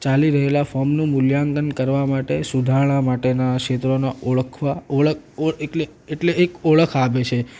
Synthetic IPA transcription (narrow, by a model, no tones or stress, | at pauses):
t͡ʃaliɾəɦelafɔmnũmʊljãŋɡənkəɾʋamaʈesud̪ʱaɭ̃amaʈenakʃet̪ɾonaʔoɭəkʰʋaoɭə | oeʈleːʈleːkoɭəkʰaʋet͡ʃʰe